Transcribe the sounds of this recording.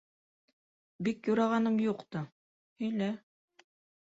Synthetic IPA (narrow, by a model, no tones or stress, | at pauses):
bikjuɾɑʁɑnɤmjuqt̪ɤ | ɵ̆jlæ